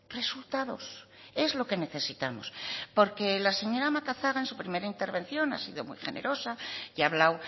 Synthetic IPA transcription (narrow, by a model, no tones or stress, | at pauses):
re̞sult̪að̞os | e̞zlo̞ke̞ne̞θe̞sit̪amospo̞ɾke̞lase̞ɲo̞ɾamakaθaɣaensupɾime̞ɾaint̪eɾβ̞e̞nθjo̞na̰siðo̞mṵjxenʔeɾo̞saiaβ̞law